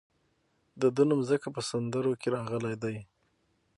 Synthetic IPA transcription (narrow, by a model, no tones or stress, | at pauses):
d̪əd̪ənumzəkap̬əsand̪əɾokeɾɑɣəlajd̪aj